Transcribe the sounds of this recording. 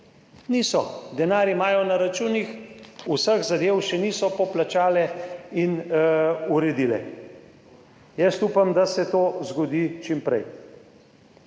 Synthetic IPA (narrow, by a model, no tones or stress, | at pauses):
niːsɔd̪ɛnaːɾimaːjɔnaɾat͡ʃuːnixusəɣzad̪eːwʃɛniːsɔpɔplat͡ʃaːlɛin | uɾɛd̪ilɛ̰ | jɛst̪uːpamd̪asɛt̪oːzɡɔd̪it͡ʃimpɾɛ̰j